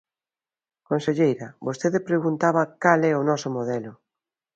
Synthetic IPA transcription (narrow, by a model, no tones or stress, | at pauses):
konseʎejɾɐbost̪eðepɾeɣunt̪aβɐkalɛʊnɔsomoð̞ɛlʊ